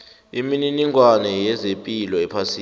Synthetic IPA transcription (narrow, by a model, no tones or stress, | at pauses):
imininiŋwanɛjɛzempʼilɔɛpʰasiː